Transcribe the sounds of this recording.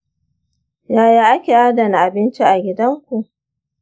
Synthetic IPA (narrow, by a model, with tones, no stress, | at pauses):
jaː˦jaː˦ʔa˦kʲeː˨ʔaː˦dɐ˨ni˨ʔa˨bɪ˦nt͡ʃi˦ʔa˨ɡʲɪ˦dɐ˦ŋkʷu˨ʔ